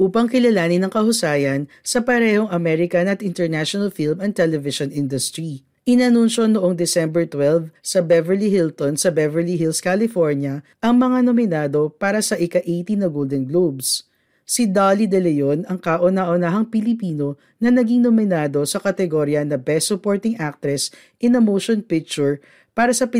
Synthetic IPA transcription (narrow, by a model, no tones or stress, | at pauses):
ʔuːpɐŋkɪlɐlaːnɪnɐŋkɐhʊsaːjɐn | sɐpɐɾɛhoŋɐmɛɾɪkɐnɐt̪ʔɪnt̪ɛɹnaʃonɐlfilmɐn̚t̪ɛlɛvɪʃonʔɪnd̪ʊst̪ɹi | ʔɪnɐnunʃo̞noʔoŋd̪ɛsɛmbɛɹt̪wɛlvsɐbɛvɛɹlihilt̪onsɐbɛvɛɹliɦilskalɪfoɹnjɐʔɐŋmɐŋanomɪnaːd̪o̞paːɾɐsɐʔɪkɐʔejt̪inɐɡold̪ɛnɡlobs | sid̪alid̪ɛlɛjonɐŋkaʔʊnaʔʊnaɦɐŋpɪlɪpiːno̞ | nɐnɐɡiŋnomɪnaːd̪o̞sɐkɐt̪ɛɡoɾjɐnɐbɛsʊpoɹt̪ɪŋʔak̚t̪ɾɛs | ʔɪnɐmowʃonpɪk̚t͡ʃʊɹ | paːɾɐsɐp